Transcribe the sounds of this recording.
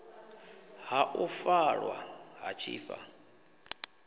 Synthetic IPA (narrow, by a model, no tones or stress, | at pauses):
ɦaʔufaɺwaɦat͡ʃʰḭːfa